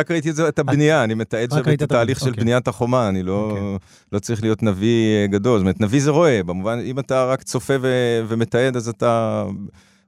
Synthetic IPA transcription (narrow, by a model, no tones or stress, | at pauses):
ʁakʁait̪̬ietzeet̪abnijaːnimet̪aed̪ʃet̪t̪aːliχʃelbnijat̪haχo̞maːnilo̞ | lo̞t͡saʁiχlijo̞t̪naviɡado̞lstomet̪navize̞ʁo̞e̞bemuvanimataʁakt͡so̞feveve̞me̞t̪ae̞d̪azata